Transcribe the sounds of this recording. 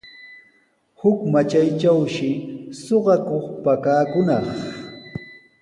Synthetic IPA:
hʊkmat͡ʃajt͡ʃawʃɪsoɢɑkoχpakaːkʊnɑχ

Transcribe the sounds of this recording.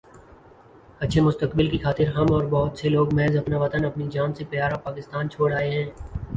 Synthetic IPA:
ɐtːʃʰemʊst̪əkbɪlkixaːt̪ɪɾɦɐmɔːɾbɔɦʊt̪seloːɡmɛːzɐpnaʋɐt̪ənɐpnid͡ʒaːnsepjaːɾapaːkɪst̪aːnt͡ʃʰoːɽaːeɦɛ̃ː

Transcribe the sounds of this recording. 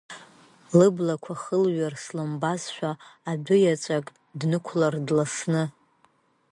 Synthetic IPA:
lɨblakʷʰaχəlɥarslɨmbazʃʷᶣaːbʊjat͡ʃʷʼakʼ | dnɨkʷʰlardlasnɨ

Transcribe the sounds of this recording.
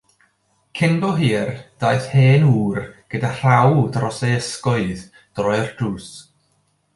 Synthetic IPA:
kʰɪnbɔɦiːrd̥ajθheːnuːrɡ̥ədar̥awdrɔsejəskɔɨð | d̥rɔɨrd̥uːs

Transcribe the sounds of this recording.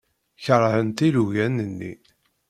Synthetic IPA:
çəɾˤhənt̪iluʝænənːḭ

